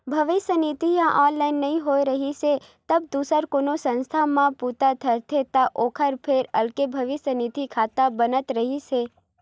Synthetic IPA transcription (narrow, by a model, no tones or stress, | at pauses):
bʱəʋɪʃjənit̪ijãʔɔnlainːəɦĩɦojɾəɦise | t̪əb̚d̪usəɾkonosə̃nst̪ʰamãput̪at̪ʰəɾt̪ʰet̪aʔokʰəɾpʰeɾəlkebʱəʋɪsənit̪ikʰat̪abənət̪ɾəɦit͡ʃʰe